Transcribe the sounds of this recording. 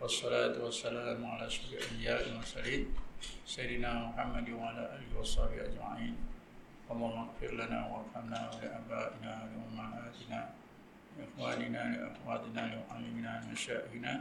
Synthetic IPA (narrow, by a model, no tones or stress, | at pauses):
wɑsˤːɑlaːt̪ʊwasːalaːmʕalaːʃʊɾfɪlʔambɪjaːʔɪlmʊsaliːnsajɪd̪ɪnaːmʊħamːad̪ɪwaʕalaːʔaːlɪhɪwɑsˤɑħbɪhʔad͡ʒma̰ʕiːn | wɑlˤːɑːhʊmaɣfɪɾlana̰ːwaʔafhamnaːwlɪʔaːbaːʔɪnaːwlɪʔʊmaʕaːt̪ɪnaː | lɪʔɪxwaːnɪnaːlɪʔa̰fwaːt̪ˤɪnaːlɪʊʔamimɪnaːlɪmaʃaːʔɪhɪnaː